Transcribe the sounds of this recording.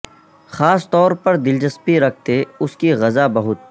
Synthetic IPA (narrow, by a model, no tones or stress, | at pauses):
xaːst̪ɔːɾpɐɾd̪ɪlt͡ʃɐspiɾɐk̚ʰt̪eʊskiɣɐzabɐɦʊt̪̚